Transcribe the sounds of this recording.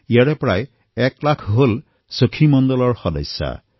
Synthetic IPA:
ijaɹɛpɹaj | ɛklakʰɦol | səkʰimɔndɔlɔɹxɔdɔ̰jsːa̰

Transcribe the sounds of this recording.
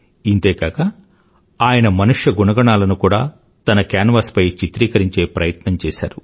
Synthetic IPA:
int̪e̞ːkaːkɐ | aːjɐnɐmɐnuʂjɐɡunɐɡɐɳaːlɐnukuːɽaː | t̪ɐnɐkjaːnʋɐspɐjt͡ʃit̪ɾiːkɐɾiɲt͡ʃe̞ːpɾɐjɐt̪nɐmt͡ʃɛːsa̰ːɾu

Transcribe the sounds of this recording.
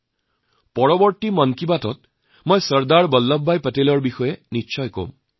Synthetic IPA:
pɔɹɔbɔɹtimɔnkibatɔt̚ | mojsəɹd̪aɹbɔlːɔbːajpətelɔɹbixɔjeniːʃʰɔjko̰m

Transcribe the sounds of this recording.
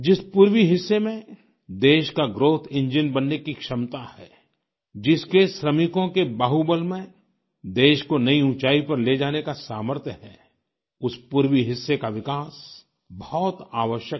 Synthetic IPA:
d͡ʒɪspuːɾwiɦɪsːemẽ | d̪eːʃkaɡɾoːt̪ʰɪ̃ɲd͡ʒɪnbɐnːekikʃɐmt̪ahɛ̰ː | d͡ʒɪskeʃɾɐmɪkõkebaːɦubəlmẽ | d̪eːʃkonɐiũt͡ʃaːipɐɾled͡ʒaːnekasaːməɾt̪ʰjəɦɛː | ʊspuːɾwiɦɪsːekaʋɪkaːs | bɐɦɔːt̪aːʋəʃjək̚

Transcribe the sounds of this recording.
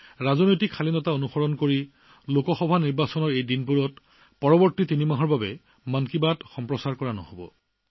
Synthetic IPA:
ɹazɔnojtikʰːalinɔtaonuxɔɹɔnkoɹi | lokɔxɔbʱaniɹbasɔnɔɹejdinpuɹɔt | pɔɹɔbɔɹtitinimaɦɔɹbabɛ̰ | mankibatxɔmpɹɔsaɹkɔɹanɔ̰hobɔ̰

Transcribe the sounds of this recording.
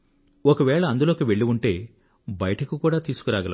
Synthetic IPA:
ɔkɐʋɛːɭɐːnd̪uloːkiʋe̞ɭːiuɳʈe̞ː | bɐjɐʈɐkukuːɽaːt̪iːsu̥kuɾaːɡɐlɐ

